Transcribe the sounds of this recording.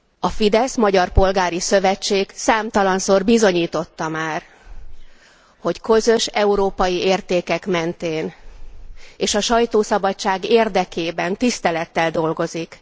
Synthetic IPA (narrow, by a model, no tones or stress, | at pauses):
ɒfid̪ɛsmɒɟɒrpo̞lɡaːɾisø̞vɛt͡ʃːeːɡsaːmt̪ɒlɒnsoːrbizo̞ɲiːt̪o̞t̪ːɒmaːr | ho̞ckø̞zø̞ʃɛuɾoːpɒjieːrt̪eːkɛkmɛnt̪eːn | eːʃɒʃɒjt̪oːsɒbɒt͡ʃːaːɡeːrd̪ɛkeːbɛnt̪ist̪ɛlɛt̪ːɛld̪o̞lɡo̞zik